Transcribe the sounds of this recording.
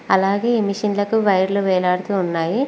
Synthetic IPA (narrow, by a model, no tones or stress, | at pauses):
ɐlaːɡe̞ːemiʂɐnlɐkuʋɐjɾluʋɛːlaːɽut̪uːnːaːji